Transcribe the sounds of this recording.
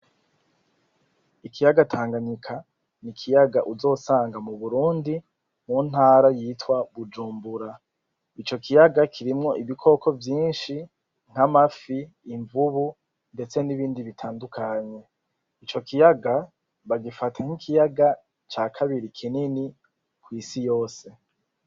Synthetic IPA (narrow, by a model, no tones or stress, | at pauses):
ikijaɡatʰaːŋɡaɲikʰa | nikʰijaɡaʔuzo̞ːsaːŋɡamuβuɾuːndi | mun̥haːɾajiːtwaβud͡ʒuːmbuɾa | it͡ʃo̞kʰijaɡakʰiɾimŋo̞ʔiβikʰo̞kʰovjiːnʃi | ŋ̥hamafiː | ɱvuβu | nde̞t͡se̞niβiːndiβitʰaːndukʰaɲe̞ | it͡ʃo̞kʰijaɡa | βaɡifatʰaŋ̥ikʰijaɡa | t͡ʃaːkʰaβiɾikʰinini | kwiːsijo̞ːse̞